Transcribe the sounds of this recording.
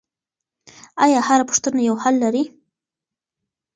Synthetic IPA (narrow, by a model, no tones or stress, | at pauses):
ajɑhaɾapʊ̥ʂt̪ənajawhalːaɾi